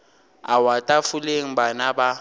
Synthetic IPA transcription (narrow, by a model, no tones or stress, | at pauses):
awatʼafuleŋ̩banaba